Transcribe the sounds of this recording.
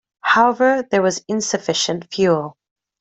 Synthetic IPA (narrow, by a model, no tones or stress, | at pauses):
haʊɛvə˞ðə˞wʌzɪ̃nsɨfɪʃə̃ntfjuːlˠ